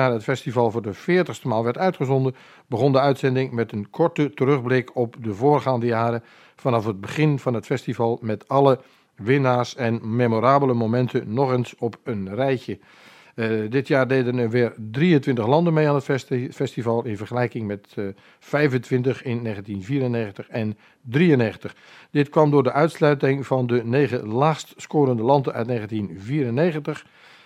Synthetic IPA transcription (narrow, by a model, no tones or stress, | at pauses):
aːɾətfɛstivɑlˠvʊːrdəfɪːtəxstəmaːlˠʋɛrtœɥtχəzɔndə | bəɣɔndəœɥtsɛndɪŋmɛtənkʰɔɹtətərɵɣblɪkʰɔpdəvoːrχaːndəjaːɾə | fɑnɑfəd̚bəχɪnvɑnɦətfɛstivɑlˠmɛtɑlˠə | ʋɪnaːsɛnmemoɾaːbələmomɛntʰənɔχənsɔpʰənrɛjçə | dɪtʰjaːrdedənəʋɪːrdriəntʋɪntəχlɑndənmejaːnətfɛstivɑlˠɪnvərχəlɛjkɪŋmɛt | fɛjvəntʋɪntəxɪnːeːɣəntinviːɾəneːɣəntəxɛn | driəneːɣən̩təχ | dɪtkʋɑmdʊːdəʔœɥtslœɥtɪŋvɑndəneːɣəlaːxstskoːɾəndəlɑndənʔœ̰ɥtneːɣəntinviːɾəneːɣəntəx